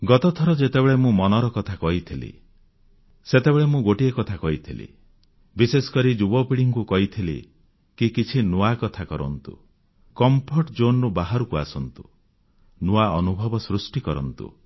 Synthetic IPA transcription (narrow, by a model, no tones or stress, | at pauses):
ɡɔt̪ɔt̪ʰɔɾɔd͡ʒet̪ebeɭemũmɔnɔɾɔkɔt̪ʰakɔɦit̪ʰilḭ | set̪ebeɭemũɡoʈiekɔt̪ʰakɔɦit̪ʰilḭ | bisesɔ̥kɔɾid͡ʒubɔpiɽiŋkukɔɦit̪ʰilḭ | kikit͡ʃʰinuakɔt̪ʰakɔɾɔ̰nt̪ṵ | kɔmpʰoʈd͡ʒonːubaɦaɾukuasɔnt̪u̥ | nuaɔnubʱɔbɔsɾusʈikɔɾɔ̰nt̪ṵ